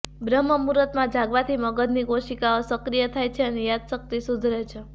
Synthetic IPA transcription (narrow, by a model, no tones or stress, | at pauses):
bɾəmːəmuɾət̪mãd͡ʒaɡʋãt̪ʰiməɡəd̪ʱnikoʃikaosəkɾijət̪ʰajt͡ʃʰeənejad̪sək̚t̪isud̪ʱɾet͡ʃʰe